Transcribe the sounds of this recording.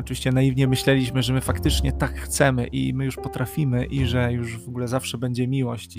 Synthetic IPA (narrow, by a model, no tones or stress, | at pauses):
ɔt͡ʂɨvʲiɕt͡ɕɛnajivɲɛmɘɕlɛlʲiɕmɘʐɛmɘfakt̪ɘt͡ʂɲɛt̪akxt̪sɛmɘʔḭmɘjuʂpɔt̪ɾafʲimɘʔiʐɛjuʐvɔɡulɛzafʂɛbɛɲd͡ʑɛmʲiwɔɕt͡ɕ